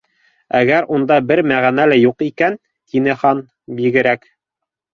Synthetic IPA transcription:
æɡæɾund̪ɑbɘɾmæʁænælæjuqikæn | t̪inɘχɑn | biɡɘ̆ɾæk

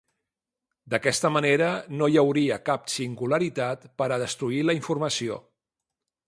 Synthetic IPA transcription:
d̪əkɛst̪əməneɾənojəwɾiəkapsiŋɡuləɾit̪at̪pəɾəðəst̪ɾuiləiɱfurməsio̰

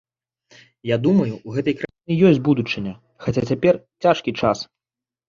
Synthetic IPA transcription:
jad̪umɐjuuɣɛt̪ɐjkɾainɨjɔsʲd͡zʲbud̪ut͡ʂɨnʲɐ | xat͡sʲat͡sʲapʲɛrt͡sʲaʂkʲit͡ʂas

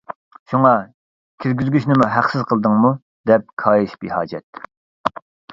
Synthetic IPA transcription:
ʃuŋɑ | kʲʰiɾɡʲyzɡʲyʃnɪmuɦæqsɪzqʰəlˠd̪ɨŋmu | d̪ɛp̚kʰɑːjiʃbihɑːd͡ʒɛt̪̚

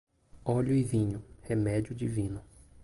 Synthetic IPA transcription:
ɔʎʊɪvĩɲʊhemɛd͡ʒiʊd͡ʒivĩnʊ

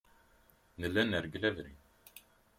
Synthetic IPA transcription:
nəlːænəɾɡlævɾḭ

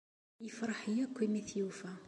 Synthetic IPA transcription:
jəfɾˤəħjækʷːimiθjufæ

